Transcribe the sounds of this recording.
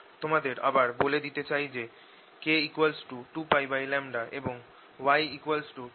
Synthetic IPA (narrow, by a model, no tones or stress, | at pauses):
t̪omad̪eɾa̰baɾboled̪it̪et͡ɕajd͡ʑe | keikualsʈuʈupajbajlɛmɖaʔeboŋ | wajikualsʈu